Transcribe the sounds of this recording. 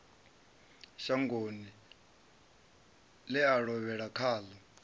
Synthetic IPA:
ʃaŋɡoni | lɛaɺɔβɛɺakʰaːla

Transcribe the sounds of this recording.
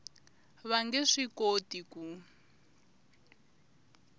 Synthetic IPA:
βaŋɡɛʂikotiku

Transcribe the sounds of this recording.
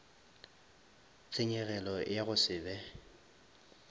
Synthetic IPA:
t͡sʰʼɪɲɛɣɛlɔjaɣʊsɪːbɛ

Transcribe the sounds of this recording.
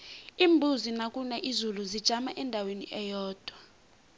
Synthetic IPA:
iːmbʱuzinakʼunɛʔizuluzid̥ʒ̥ʱamaʔɛndʱawenḭʔɛjɔːd̥ʱwa

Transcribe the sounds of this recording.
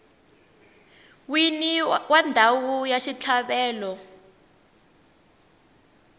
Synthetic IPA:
winiwandʱawujaʃit͡ɬʰaɓɛːlɔ

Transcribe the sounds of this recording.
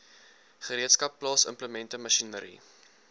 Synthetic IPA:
χəɾiətskɐpːlɑːsə̰mpləmɛntəmɐʃinəɾḭ

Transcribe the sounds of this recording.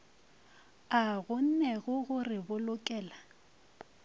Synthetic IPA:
aɣʊn̩nɛɣʊɣʊrɪbʊlʊkʼɛːla

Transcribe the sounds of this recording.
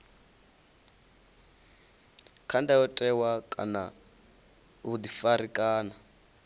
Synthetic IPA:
kʰandajɔtʼɛwakʼa̰na̰ | ud̪ifaɾikʼaːna

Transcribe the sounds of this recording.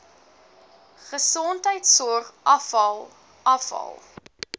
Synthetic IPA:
χəsɔntəjtsɔrχʔɐfɐlˠ | ɐfɐ̰lˠ

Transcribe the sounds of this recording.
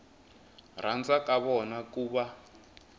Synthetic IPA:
rand͡zakaβɔnakuːβa

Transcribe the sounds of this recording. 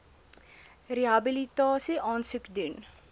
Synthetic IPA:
ɾiaːbilit̪ɔːseʔɔ̃ːnsikd̪in

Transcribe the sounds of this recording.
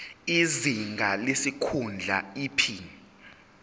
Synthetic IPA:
iziŋɡʱalesikʰund͡ɮʱa̰iːpʰi

